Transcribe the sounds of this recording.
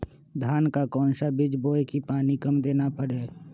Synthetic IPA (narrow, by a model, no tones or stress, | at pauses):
d̪ʱaːnkakɔ̃ːnʃabɪd͡ʒboːekipaːnikəmd̪eːnapəɽeː